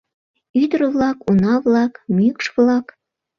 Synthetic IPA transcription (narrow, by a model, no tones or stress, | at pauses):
yd̪əɾəβlɑkunɑβlɑkmykʃβlɑk